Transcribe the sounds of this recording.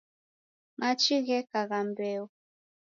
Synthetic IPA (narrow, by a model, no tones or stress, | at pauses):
ŋat͡ʃiɣɛkaɣambɛu